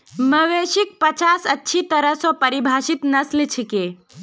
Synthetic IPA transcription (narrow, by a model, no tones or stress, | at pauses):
məʋeʃik̚pət͡ʃasətːʃʰit̪əɾəɦsɔpəɾibʱaʃit̪nəslt͡ʃʰike